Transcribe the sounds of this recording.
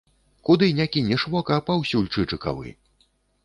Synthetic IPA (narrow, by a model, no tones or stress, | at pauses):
kud̪ɨnʲakʲinʲɛʂvɔkɐːpawsʲuulʲt͡ʂɨt͡ʂɨka̰vɨ̰